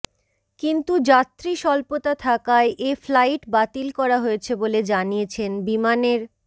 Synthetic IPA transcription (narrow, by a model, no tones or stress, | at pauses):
kint̪ud͡ʑat̪ːɾiʃɔlpot̪at̪ʰakaeʔeflajʈbat̪ilkɔɾaɦoet͡ɕʰeboled͡ʑanijet͡ɕʰenbimaneɾ